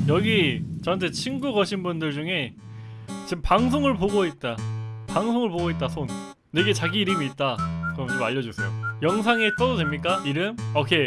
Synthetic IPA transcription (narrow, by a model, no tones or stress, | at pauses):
jʌɡit͡ɕʌantʰe̞t͡ɕʰinɡuɡʌɕʰinbundɯɭd͡ʑuŋe̞ | t͡ɕimpaŋs̬ʰoŋɯɭpoɡoit̚t͈apaŋsʰoŋɯɭpoɡoit̚t͈asʰonː | e̞ɡe̞t͡ɕaɡiːɾɯmiːt̚t͈akɯɾʌmt͡ɕomaʎːʌd͡ʑusʰejojʌŋsʰaŋet͈ʌdodwe̞mɲik͈aiɾɯmʌkʰe